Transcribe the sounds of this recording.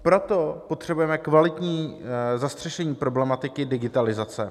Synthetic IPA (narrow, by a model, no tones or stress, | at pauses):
pɾo̞t̪o̞po̞t̪r̥ɛbujɛmɛkvalɪt̪ɲiːzast̪r̥ɛʃɛɲiːpɾo̞blɛmat̪ɪkɪdɪɡɪt̪alɪzat͡sɛ